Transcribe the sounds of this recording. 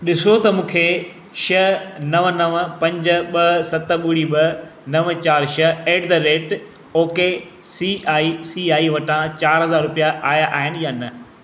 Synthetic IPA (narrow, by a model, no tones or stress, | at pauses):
ɗɪsot̪ɐmũːkʰe | ʃɐnɐʋənɐʋpɐ̃ɲd͡ʑə̆ɓɐɦsɐt̪ɓʊɽiɓɐnɐʋət͡ɕaːɾʃɐeːɖd̪ɐɾeːʈ | oːke | siaːisiːaːiʋɐʈãt͡ɕaːɾɦɐzaːɾɾʊpijaʔaːjaʔaːɦɪnɪ̆jaːnɐ